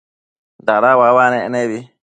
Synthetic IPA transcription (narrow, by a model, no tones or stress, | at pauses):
daɾawawanɛɛnɛbi